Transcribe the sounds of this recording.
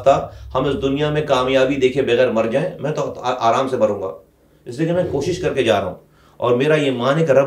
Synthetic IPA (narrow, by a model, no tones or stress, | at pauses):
t̪ahɐmɪsd̪ʊnijamẽkaːmjaːbid̪eːkʰẽbɐɣɛːɾmɐɾd͡ʒaːẽmɛ̃ːt̪ot̪ʔaːɾaːmsebɐɾũːŋɡa̰ː | ɪslieːkimɛ̃ːkoːʃɪʃkɐɾked͡ʒaːɾaɦṵ̃ː | ɔ̰ːɾmeːɾajemaːnɪkɾɐ